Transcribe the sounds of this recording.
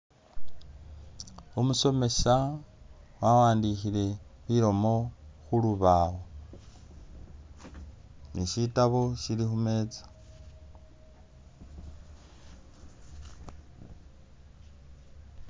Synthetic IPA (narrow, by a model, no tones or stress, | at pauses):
umuso̞me̞sa | wawaːndixile̞βiɾo̞mo̞xuluβawo | niʃitaβoʃilixume̞ːt͡sḁ